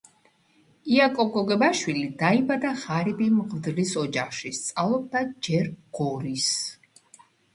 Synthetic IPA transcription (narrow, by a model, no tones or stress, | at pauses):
iakʼɔɡɔɡɛbaʃwilid̪aibad̪aʁaɾibimʁvd̪lisɔd͡ʒaχʃist̪sʼalˠɔb̚d̪ad͡ʒɛɾɡ̥ɔɾis